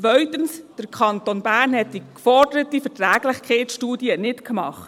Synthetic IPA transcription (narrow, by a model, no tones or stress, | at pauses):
ʋœɥtənsd̥əɾkʰχɑnt̪onbæːɾnhɛt̚d̥ikfɔɾdəɾətifɛtɾæːɡ̥lɪχkʰɛɪtʃtuːdiənɪtkmɑχt